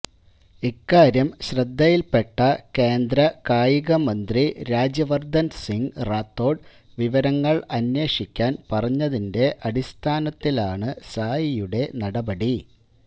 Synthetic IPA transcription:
ikːaːɾjɐmɕrɐd̪ʱːɐjilpe̞ʈːɐke̞ːnd̪ɾɐkaːjiɣɐmɐnd̪riɾaːd͡ʑjɐʋɐrd̪ʱɐnsiŋɡraːt̪ːo̞ːɖ | ʋiʋɐɾɐŋːɐɭɐnwe̞ːʂikʲːaːnpɐrɐɲːɐðinde̞ʔɐɽist̪ʰaːnɐt̪ːilaːɳɨsaːjijuɽe̞nɐɽɐbɐɽi

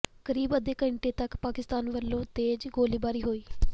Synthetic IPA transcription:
kəɾiːbəd̪eːkəɪɳʈeːt̪əkpaːkɪst̪aːnʋəlːõːt̪eːd͡ʒɡoːliːbaːɾiːɦoːiː

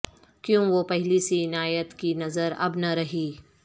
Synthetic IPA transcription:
kjõːʋopɛɦlisiɪnaːjət̪kinɐzəɾɐ̰bnɐɾɐɦiː

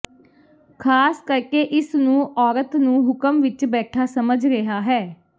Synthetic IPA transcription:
kʰaːskəɾkeːʔɪsnũːʔɔːɾət̪nũːɦʊkəmʋɪt͡ʃbɛːʈʰaːsəməd͡ʒɾeɦaːɦɛː

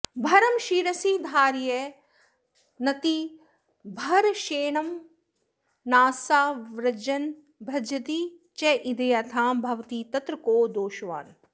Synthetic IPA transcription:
bʱɐɾɐmʃiːɾɐsiːd̪ʱaːɾjɐ | nɐt̪i | bʱɐɾʃeːɳɐm | naːsaːʋɾɐd͡ʒɐn | bʱɐd͡ʒɐd̪i | t͡ʃeʔid̪ɐjat̪ʰãːmbʱɐʋt̪iːt̪ɐt̪ɾɐkoːd̪oːʃʋa̰ːn

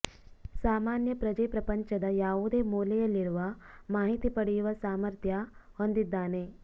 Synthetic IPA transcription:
saːmaːnjɐpɾɐd͡ʒɐjpɾɐpɐɲt͡ʃɐd̪ɐjaːuːd̪emuːlejɐliɾuʋa | maːɦit̪ipɐɽijuʋɐsaːmɐɾt̪ʰjaɦond̪id̪ːaːneː

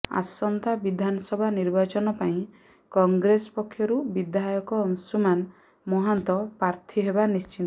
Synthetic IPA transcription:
a̰sɔnt̪abid̪ʱanɔsɔbʱaniɾbat͡ʃɔnɔpaĩ | kɔŋɡɾesɔ̥pɔkʰːjɔɾubid̪ajɔkɔːŋsuman | mɔɦant̪ɔpɾaɾt̪ʰiɦebanist͡ʃin

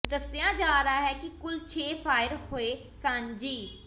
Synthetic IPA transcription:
d̪əsɪjãːd͡ʒaːɾəaːɦɛːkikʊlt͡ʃʰeːfʰaːɪɾhoeː | sãnd͡ʒiː

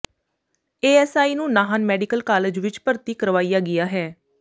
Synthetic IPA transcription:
eːɛːsaːiːnũːnaːɦanmɛːɖɪkəlkaːled͡ʒʋɪt͡ʃpəɾt̪iːkəɾʋaːiːjaːɡɪjaːɦɛː

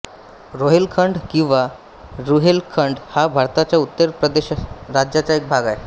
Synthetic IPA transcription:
ɾoɦelkʰəɳɖkĩw̃ʋa | ɾuɦelkʰəɳɖhabʱaɾt̪at͡ɕjaut̪ːəɾpɾəd̪eɕɾad͡ʑjat͡ɕjaek̚bʱaɡae

